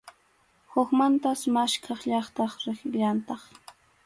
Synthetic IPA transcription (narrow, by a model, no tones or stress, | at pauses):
hʊkmant̪asmaʃkʰɑχʎɑχt̪ɑχɾɪχʎant̪ɑχ